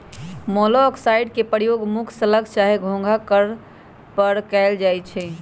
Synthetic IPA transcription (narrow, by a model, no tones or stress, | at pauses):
mɔlɔksaɪɖkepəɾjoɡmukʰsələkt͡ʃaɦeɡʱõŋɡʱakəɾ | pəɾkɛɪld͡ʒajt͡ʃʰɛ